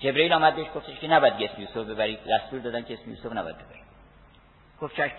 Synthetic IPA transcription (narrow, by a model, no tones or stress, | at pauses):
d͡ʒebɾeiːlɒːmæd̪̚beeʃɡo̞ft̪ʰeʃkenæbɒjæd̪iɟeːsmejusobbe̞bæɾid̪æst̪uːɾd̪ɒːd̪ænkʰeesmejṵːsovnæbɒ̰jæd̪̚be̞bæɾi | ɡ̥oft̪t͡ʃʰæʃ